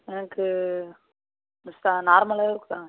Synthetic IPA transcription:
ɛnɐkːɯ | ʋɪst̪aːnaːɾmɐlaːɪɾɯkːɯt̪ãː

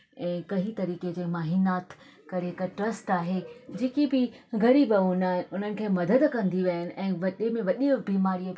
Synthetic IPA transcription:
ɛ̃ːkɐɦit̪ɐɾiːked͡ʑeːmaːɦiːnaːt̪ | kɐɾeɦɪkəʈɾɐsʈaːɦed͡ʑeːkibɪɡʱɐɾiːbɐʊnaːɦɪnʊn̤ənɪ̆kʰeːmɐd̪əd̪kɐ̃nd̪iʋɐɦɪnɪ̆ʔɛ̃ːʋɐɗemẽʋɐɗibiːmaːɾiə

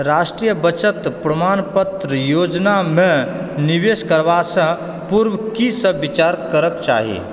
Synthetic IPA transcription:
ɾasʈɾijəbət͡ʃət̪pɾəmanpət̪ɾəjod͡ʒnamẽniʋeskəɾʋasə̃ | puɾwəkisə̃bit͡ʃaɾkəɾəkt͡ʃa̰ːɦḭ

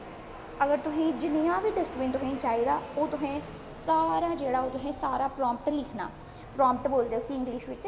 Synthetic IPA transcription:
əɡəɾt̪ʊsĩːd͡ʒɪnijãːbiːʈɪsʈbɪ̃ːnt̪ʊsẽːt͡ʃaːiːd̪aːoːt̪ʊsẽː | saːɾaːd͡ʒeːɽaːoːt̪ʊsẽːsaːɾaːpɾɔːmp̚ʈlɪkʰna̰ː | pɾɔ̃ːmp̚ʈboːld̪eːʊsĩːɪ̃ŋɡliːʃʋɪt͡ʃ

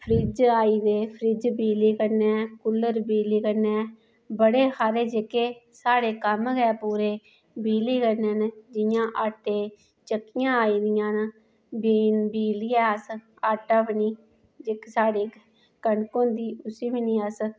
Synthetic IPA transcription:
pʰɾid͡ʒaːiːd̪eːpʰɾiːd͡ʒbiːliːkəɾnɛ̃ːkʊlːəɾbiːliːkənɛ̃ː | bəɽeːhaːɾeːd͡ʒekeːsaːɽeːkəmɡɛːpuːɾeː | biːliːkənend͡ʒɪjãːʔaːʈeː | t͡ʃəkːɪjãːaːiːd̪ɪjãːn | biːnbiːlɪjɛːəs | aːʈaːʋɪniː | d͡ʒeksaːɽeː | kəɳkõːd̪iːʊsiːbiniːəs

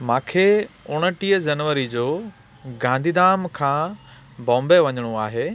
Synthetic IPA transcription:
mãːkʰeːʊɽ̃ə̆ʈiːəd͡ʑɐnʋəɾid͡ʑoː | ɡãːnd̪ʱid̪aːmkʰãː | bɔ̃ːmbeʋɐɲəɽ̃oaːɦeː

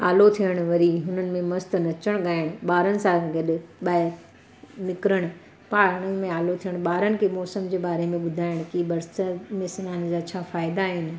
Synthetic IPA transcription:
aːlot̪ʰijəɽ̃ʋɐɾiɦʊnənɪ̆mẽmɐst̪nɐt͡ɕəɽ̃ɠaːɪɽ̃ɓaːɾənɪ̆sãɡɐɗɪɓɐe | nɪkɾəɽ̃ | paːɽ̃əmẽaːlot̪ʰijəɽ̃ɓaːɾənɪ̆kʰemɔːsəmd͡ʑeːbaːɾemẽɓʊd̪ʱaːɪɽ̃kibɐɾsəmẽsɐnaːnd͡ʑaːt͡ɕʰaːfaːɪd̪aɦɪnɪ̆

